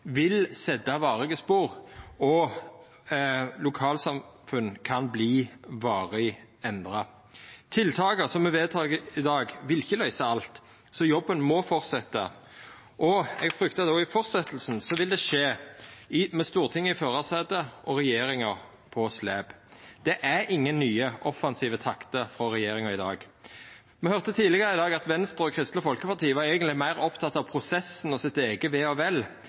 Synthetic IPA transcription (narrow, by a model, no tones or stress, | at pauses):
ʋɪlsɛd̪ɑʋɑːʁɪɡəspuːʁɔ | lʊkʰɑːlsɑmfʉnkʰɑnbliːʋɑːʁɪɛnd̪ʁɑ | t̪ʰɪlt̪ʰɑːɡəsɔmɛʋeːd̪̚t̪ʰɑːɡəɪd̪ɑːɡʋɪlɪçəlœʏsɑɑlt̪ | sɔjɔbːənmɔfɔʁt̪sɛt̪ːɑ̰ | ʔɔɛɡfɾʏkt̪ɑd̪ɔɪfɔʁt̪sɛt̪l̩sn̩sɔʋɪld̪ɛʂeːɪmɛst̪uːʁt̪ʰɪŋːəɪføːɾɑseːd̪əʔɔɾɛjeːɾɪŋəʁ | pʰɔsleːb̥d̪̥ɛʔæɾɪŋːənːyːəʔɔfɑnsiːʋət̪ʰɑkt̪əfɾɔɾɛjeːɾɪŋɑɪd̪ɑ̰ːɡ | mɛhœʁt̪ət̪ʰiːlɪɡəɾəɪd̪ɑːɡɑt̪ʋɛnst̪ʁɔkʰɾɪst̪ləfɔlkəpɑʁt̪ʰiːəʋɑɾɛːɡənt̪lɪmæɪʁɔpt̪ʰɑt̪ːɑʋpʰɾʊsɛsn̩ɔsɪt̪eːɡəʋɛːɔʋɛl